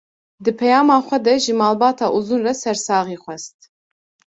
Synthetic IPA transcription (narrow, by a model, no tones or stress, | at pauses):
d̪ɨpʰɛjɑːmɑːχʷɛd̪ɛʒimɑːlbɑːt̪ʰaːʔuzunrɐsɛɾsɑːʁiːχʷɛst̪̚